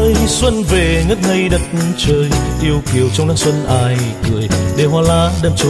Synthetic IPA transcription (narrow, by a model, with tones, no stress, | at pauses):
swə˧nve˨˩ŋə˦˥t̚ŋə˧jɗə˨˩t̚t͡ɕəː˧jʔi˧əwki˨˧˩əwt͡ɕɔ˧wŋ͡mnaː˧˦˥swə˧nʔaː˧˩jkɨ˨˩əjɗe˧˩ɦwaː˧˩laː˧˥ɗə˧˩t͡ɕu˧